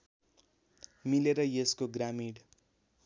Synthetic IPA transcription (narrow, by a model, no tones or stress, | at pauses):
mileɾʌjeskoɡramiɽ